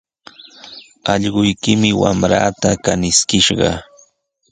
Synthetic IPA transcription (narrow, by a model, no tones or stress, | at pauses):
ɑʎɢʊjkɪmɪwa̰mɾa̰ːt̪akanɪskɪʃɢɑ̰